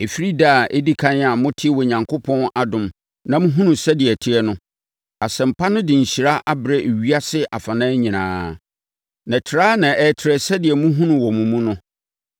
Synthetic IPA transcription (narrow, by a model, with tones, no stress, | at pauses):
e˨fi˦ɾi˦da˦˨ʔe˦di˦kʰã˦n˦a˨mʊ̃˦tʰɪ˦wɔ˨ɲã˨ŋkʰo˦pʰɔ̃˦na˨dʊ̃˨m | nã˦mʊ̃˦ɦũ˦nũ˨sɛ˦dɪ˨ɛ˨tʰɪ˦ɛ˦nʊ̃˦ | a˨sɛ̃˨m̩˨pʰa˦nʊ̃˦dɪ˨ɲ̩˨ɕi˨ɾa˦ʔa˦bɾɛ˦ʔe˨ɥi˦a˦sɪ˦ʔa˨fa˨nã˦ɲĩ˨nã̰ː˦ | nã˨tʰɪ˨ɾaː˦nã˨ʔɛ˨˦tʰɪ˨ɾɛ˨sɛ˦dɪ˨ɛ˨mũ˦ɦũ˦nʊ̃˨wɔ˨mũ˨mũ˦nʊ̃˦